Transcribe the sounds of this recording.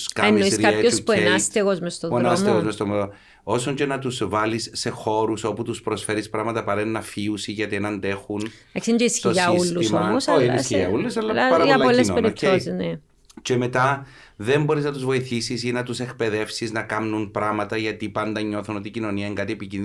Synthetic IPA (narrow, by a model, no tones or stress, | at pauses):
skɐenːoissɾkɐpɐospueenɐst̪eɣo̞zmest̪oðɾnoɐsmeɣozmest̪omo | o̞soɲcenɐt̪usvɐlisːe̞xo̞ɾuso̞put̪uspɾosfe̞ɾispɾɐmɐt̪ɐpɐɾenːɐfiusiʝɐt̪ienɐnd̪e̞xun | eksend͡ʑeisçioʝɐulːuismoɐmosoiiskiʝɐ̰ulːesɐlːɐɐɾɐʝɐlpolesopeɾiposizne | ce̞me̞t̪ɐ | ðe̞mbo̞ɾiznɐt̪uzvo̞iθisis̬inɐt̪use̞kpe̞ðe̞fsiznɐkɐmnunpɾɐmɐt̪ɐʝɐt̪ipɐnd̪ɐɲːo̞θuno̞t̪icino̞niɐeŋɡɐt̪ie̞picini